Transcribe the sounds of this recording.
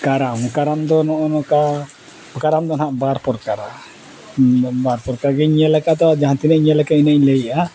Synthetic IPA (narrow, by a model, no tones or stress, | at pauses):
kaɾamkaɾamd̪ɔnɔʔɔnɔka | bəkaɾamd̪ɔnɦaʔbaɾpɔɾkaɾa | baɾpɔɾkaɾaɡɛɲɛlɛkat̪awad͡ʒaɦant̪inɛɲɛlɛkainɛɲləjʔa